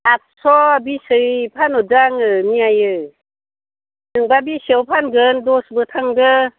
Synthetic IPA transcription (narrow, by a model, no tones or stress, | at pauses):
ak̚sɔbisɯpʰanɔzaŋɯmiajɯ | nɯŋbabisewpʰanɡɯndɔsbɯtʰaŋdɯ